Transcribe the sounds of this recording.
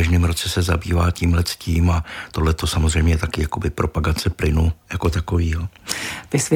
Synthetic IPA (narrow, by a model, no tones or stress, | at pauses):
aʒnɪmɾo̞t͡sɛsɛzabiːvaːciːmlɛt͡sciːmat̪o̞dlɛt̪o̞samozr̝ɛjmɲɛt̪akɪjako̞bɪpɾʔo̞paɡat͡sɛplɪnujako̞t̪akoviːɦot̪ɪs